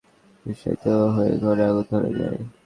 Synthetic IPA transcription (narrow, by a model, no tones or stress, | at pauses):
biʃɔ̰jt̪eoɦoḛɡʱɔɾaɡud̪ʱoɾḛd͡ʑa̰e